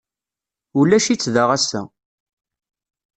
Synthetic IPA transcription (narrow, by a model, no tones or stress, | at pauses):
ulæʃit͡sːðəʁæsːæ̰